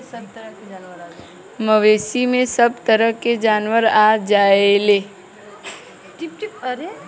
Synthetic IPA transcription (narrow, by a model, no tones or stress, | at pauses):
məʋeːsimẽsəb̚t̪əɾəɦked͡ʒaːnwəɾaːd͡ʒaːeleː | ʈpʈɾe